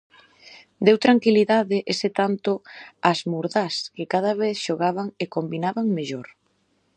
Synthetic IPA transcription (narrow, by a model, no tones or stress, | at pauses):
d̪ewt̪ɾaŋkiliðaðɪʔeset̪ant̪oazmuɾðaskɪkaðɐβeθʃoɣaβaŋekombinaβaŋmeʎoɾ